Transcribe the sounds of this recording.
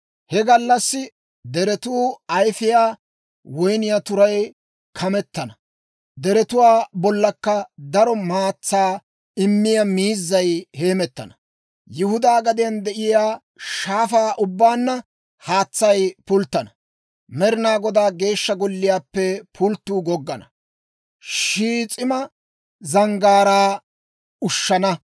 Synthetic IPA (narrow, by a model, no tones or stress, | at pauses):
hɛɡɐlːɐsːɪ | d̪ɛɾɛt̪uːɐjfɪjaː | wɔjnɪjat̪ʊɾɐj | kʰɐmɛt̪ːɐnɐ | d̪ɛɾɛt̪ʊwaːbɔlːɐkːɐd̪ɐɾɔmaːt͡sːaː | ɪmːɪjɐmiːzːɐjhe̞ːmɛt̪ːɐ̰nɐ | jʊhʊd̪aːɡɐd̪ɪjɐnd̪ɛʔɪjaː | ʃaːfaːʔʊbːaːnːɐ | haːt͡sːɐjpʊlt̪ːɐnɐ | mɛɾɪnaːɡɔd̪aːɡe̞ːʃːɐɡɔlːɪjaːpːɛpʰʊlt̪ːuːɡɔɡːɐnɐ | ʃiːt͡sʼɪmɐ | zɐŋɡaːɾaː | ʊʃːɐnɐ